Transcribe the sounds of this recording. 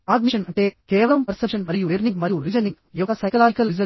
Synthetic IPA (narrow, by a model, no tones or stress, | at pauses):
aːd̪̚miʂɐnɐɳʈeːkɛːʋɐlɐmpɐɾsɐpʂɐnmɐɾijuʋeːɾniŋɡmɐɾijuɾid͡ʒɐniŋ | jɔɡɐsɐjkɐlaːd͡ʒikɐlid͡ʒɐ